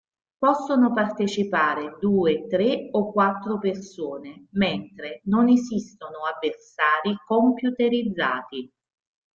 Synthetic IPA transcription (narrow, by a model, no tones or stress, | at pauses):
pɔsːonopart̪et͡ʃipaːɾed̪uːet̪ɾeɔkːwat̪ːɾopersoːnemɛnt̪ɾenonesist̪onoavːersaːɾikompjut̪eɾid̪zːaːt̪i